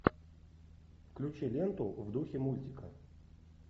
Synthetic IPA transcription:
fklʲʉt͡ɕilʲent̪ʊvd̪uxʲɪmulʲtʲɪkə

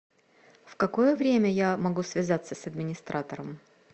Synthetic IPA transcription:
fkɐko̞jəvɾʲemʲəjamɐɡusvʲɪzat̪sːəsɐd̪mʲɪnʲɪst̪ɾʔat̪əɾəm

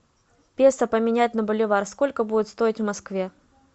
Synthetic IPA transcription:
pʲesəpəmʲɪnʲæt̚ʲnɐbʊlʲɪvarskolʲkəbudʲɪt̪st̪o̞ɪtʲvmɐskvʲe

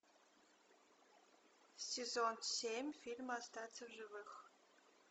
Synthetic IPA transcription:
sʲezonsʲemʲfʲilʲmast̪ʰat͡sʰɨʒɨvɨx

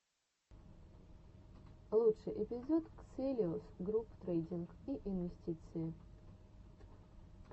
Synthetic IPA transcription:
lˠuʂɨjʔɪpʲɪzot̪kselʲɪʊsɡɾupt̪ɾejdʲɪnkiʔɪnvʲɪsʲtʲit̪sɨjɪ

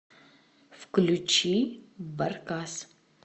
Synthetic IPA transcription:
fklut͡ʃʰibɐɾkas

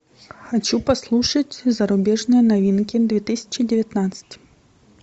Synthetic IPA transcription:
xat͡ʃupaslˠuʂɐt͡sʲzɐɾʊbʲɛʐnɨjɐnavʲinkʲid̪vʲet̪ɨsʲɐ̥t͡ɕɪdʲɪvʲat̪nat̪sɨ̥tʲ

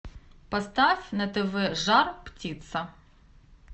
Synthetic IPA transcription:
pɔst̪ɑfʲnɐt̪ɪʋɪʒɑrptʲit̪sɐ

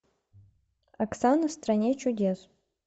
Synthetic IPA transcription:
aksanɐst̪ranʲet͡ʃudʲes

